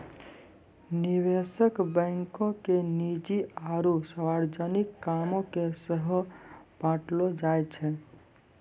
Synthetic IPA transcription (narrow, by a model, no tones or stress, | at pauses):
niʋesəkbə̃ŋkõkenid͡ʒiaɾusəwaɾd͡ʒənikːamõkesəɦb̥ãʈlod͡ʒajt͡ʃʰɛ